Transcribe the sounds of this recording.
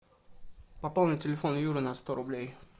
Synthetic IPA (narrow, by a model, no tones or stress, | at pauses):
pɐpalˠnʲɪtʲɪlʲɪfonjuɾɨnɐst̪oɾʊblʲej